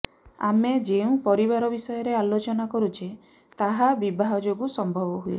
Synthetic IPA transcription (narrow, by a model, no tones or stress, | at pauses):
a̰med͡ʒeũpɔɾiβaɾɔbisɔjɔɾealot͡ʃɔnakɔɾut͡ʃe | t̪aɦabibaɦɔd͡ʒoɡusɔmbʱɔbɔɦujḛ